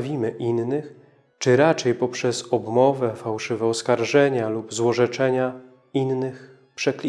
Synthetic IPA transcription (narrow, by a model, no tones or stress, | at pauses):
vʲimɘʔinnɘx | t͡ʂɘɾat͡ʂɛjpɔpʂɛzɔbmɔvɛfawʂɘvɛɔskaɾʐɛɲalubzwɔʐɛt͡ʂɛɲa | innɘx | pʂɛklʲi